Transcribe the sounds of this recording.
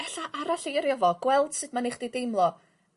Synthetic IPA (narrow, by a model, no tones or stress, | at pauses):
ɛɬaʔaɾaɬiːɾɪvɔɡ̥wɛlˠd̥sɨdmaniχd̥idejmlˠɔ